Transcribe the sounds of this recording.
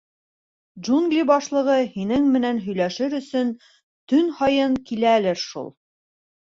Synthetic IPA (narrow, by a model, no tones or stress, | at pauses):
d͡ʒuŋɡlʲibɑʃlˠɤ̆ʁɤhinɘŋmɘ̆nænɦɵ̆jlæʃɘɾɵ̆sɵn | t̪ɵnhɑjɤɴkilælɘɾʃṵlˠ